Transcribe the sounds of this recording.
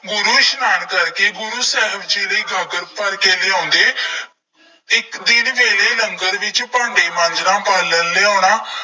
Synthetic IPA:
ɡʊɾuːʃnaːnkəɾkeːɡʊɾuːsɛːɦəbd͡ʒeːləiːɡəɡəɾpəɾkeːleːɔ̃ːnd̪eː | ɪkd̪ɪnʋeːleːləŋɡəɾʋɪt͡ʃpãːɳɖeːmə̃ɲd͡ʒnãːpəɾlənleːɔ̃ːɳaː

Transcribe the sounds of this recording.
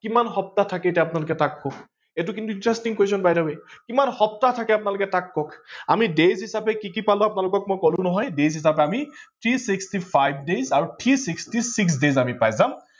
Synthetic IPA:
kimanɦɔp̚tatʰakɛtɛapnalʊkɛtakːɔk | et̬ukintuintɹɛstiŋkejsɔnbajdɔbekimanhɔp̚tatʰakɛapnalʊkɛtakːɔkamidejzɦisapɛkikipalʊapnalʊkɔk̚mɔjkɔlũnɔɦɔjdejzɦisapɛamit̪ʰɹisikstipʰajb̚ʱdezaɹutʰisikstisiks̬dezamipajzam

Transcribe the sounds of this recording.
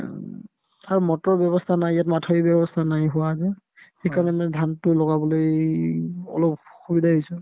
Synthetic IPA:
aɹumɔtɔɹbjɔβɔstʰanajjatmatʰɔibɔbɔstʰanajɦuwazɛ | xekaɹnɛndʱantʊlɔɡabɔloj | ɔ̰lɔp̚xubidʱaɦɔjsʊ

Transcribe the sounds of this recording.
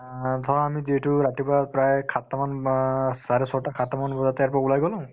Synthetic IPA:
dʰʱɔɹamiziɛtʊɹatibaat̚pɹajkʰat̪ːamansaɾɛsɔɹtakʰat̪amanbɔzatjaɹpɔɹaulajɡɔlã

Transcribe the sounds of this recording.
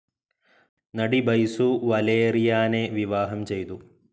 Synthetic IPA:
nɐɽibɐjsuʋɐleːɾijaːneʋiʋaːɦɐmt͡ʃejt̪u

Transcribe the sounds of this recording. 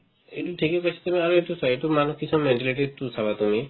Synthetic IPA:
eʈuʈʰikikɔt͡ʃʰḁt̪umeaɾeʈusɔiʈumanɔkʰisʰɔ̃meʈileʈet̪usʰabat̪umi

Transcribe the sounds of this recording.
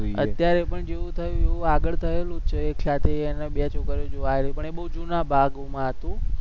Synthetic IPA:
ə̰t̪jaɾepəɳd͡ʒeʋũt̪ʰəjũeʋũaɡəɭt̪ʰəelũt͡ʃʰəekʰjat̪eːneɓijat͡ʃʰokəɾjod͡ʒoʋajɾəjũpəɳeɓəɦud͡ʒunabʱaɡmãɦət̪ũ

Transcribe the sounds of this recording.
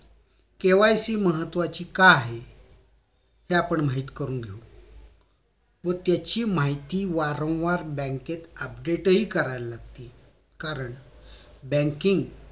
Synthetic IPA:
keʋajsiːməɦət̪ːʋat͡ɕiːkaaɦe | heapəɳmaɦit̪kəɾuːnɡʱeu | ʋət̪jat͡ɕiːmaɦit̪iːʋaɾə̃w̃ʋaɾbɛ̃ŋket̪əp̚ɖeʈɦiːkəɾajllaɡt̪iː | kaɾəɳ | bɛ̃ŋkiŋɡ

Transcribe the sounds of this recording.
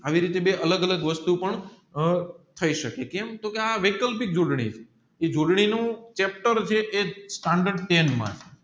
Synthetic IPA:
aʋiɾit̪ebeʔələɡələɡʋəst̪upəɳ | t̪ʰəiʃəkekɛmt̪okeaʋekəlpik̚d͡ʒoɽɳḭt͡ʃʰe | ed͡ʒoɽɳinũt͡ʃɛp̚ʈəɾt͡ʃʰeʔesʈãɳɖəɾɖt̪enmã̰t͡ʃʰe

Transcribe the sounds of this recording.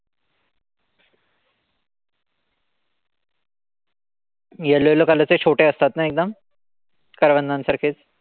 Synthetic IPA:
jelojelokələt͡set͡ɕʰoʈeəst̪at̪naek̚d̪əm | kəɾʋənd̪ansəɾkʰet͡s

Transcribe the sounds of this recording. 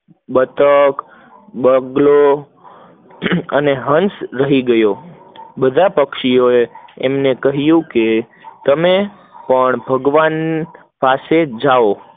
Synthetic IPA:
ɓət̪ək | ɓəɡlo | əneɦənsɾəɦiɡəjo | bəd̪ʱapəkʃioeemnekəɦjũke | t̪əme | pəɳbʱəɡʋan | pased͡ʒao

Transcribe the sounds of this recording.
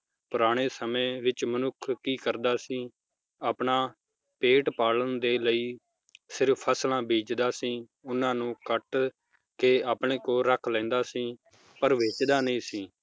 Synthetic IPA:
pʊɾaːɽ̃eːsəmẽːʋɪt͡ʃmənʊkʰkiːkəɾd̪aːsĩː | aːpɳaː | peːʈpaːlənd̪eːləiː | sɪɾpʰːəslãːbʱeːd͡ʒd̪aːsĩː | ʊnãːnũːkəʈ | keːaːpɳẽːkoːɾəkʰlɛ̃ːnd̪aːsĩː | pəɾʋeːt͡ʃd̪aːnəĩːsĩː

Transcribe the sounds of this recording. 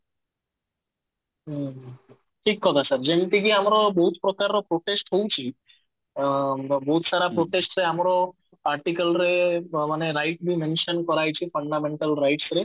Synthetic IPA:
ʈʰikkʰɔt̪ʰasaɾd͡ʒent̪iɡiamɾɔboɦut̪pɾɔkaɾːopɾoʈesʈɦowt͡ʃʰi | boɦut̪saɾapɾoʈesʈɾeamɾɔ | aɾʈikalɾemaneɾajʈ̚bʱimenʃɔnkɔɾajt͡ɕʰifʰɔɳɖameɳʈalɾajʈsɾe

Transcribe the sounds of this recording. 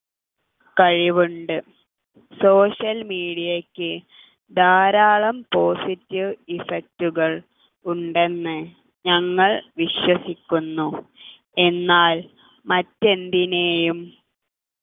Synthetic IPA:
kɐɻiʋuɳɖɨ | so̞ːɕɐlmiːɽijɐkʲːɨ | d̪aːɾaːɭɐmpo̞ːsitːiʋifek̚tuɣɐɭ | uɳɖe̞nːɨ | ɲɐŋːɐɭʋiɕwɐsikʲːunːu | e̞nːaːl | mɐtːe̞nd̪ine̞ːjum

